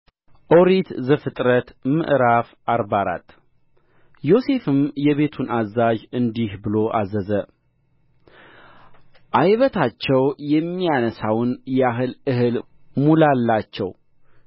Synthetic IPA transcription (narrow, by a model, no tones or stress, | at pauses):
ʔoɾit̪zɨfɨt̪ʼɾət̪mɨ̰ʔɾafʔaɾbaɾa̰t̪ʼ | jo̞se̞fɨmjɛβe̞t̪ʰunazad͡ʒɨnd̪ihbɨlo̞ʔazəzə | ʔajβət̪ʰat͡ʃːɛwjɛmːijanəsawnjɛaɦɨlɨhɨl | mulalːat͡ʃːɛw